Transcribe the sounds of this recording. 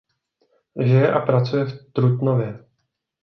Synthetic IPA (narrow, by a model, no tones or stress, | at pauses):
ʒɪjɛʔapɾat͡sujɛft̪ɾut̪novjɛ